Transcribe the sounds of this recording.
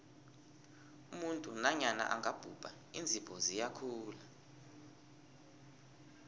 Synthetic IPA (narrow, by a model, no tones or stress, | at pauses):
umuntʼunaɲana̰ʔa̰ŋɡʱab̥ʱub̥ʱa | ind͡zʱib̥ʱɔzijakʰuːla